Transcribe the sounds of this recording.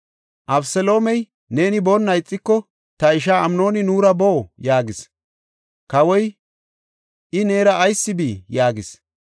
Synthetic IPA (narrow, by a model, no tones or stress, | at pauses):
ʔɐbsɛlo̞ːmɛj | ne̞ːnɪbonːɐjɪt͡sʼːɪkːɔ | t̪ɐɪʃ̬aːɐmno̞ːnɪnuːɾɐboːjaːɡɪs | kɐwɔj | ʔɪneːɾɐʔːjsːɪbiːjaːɡɪs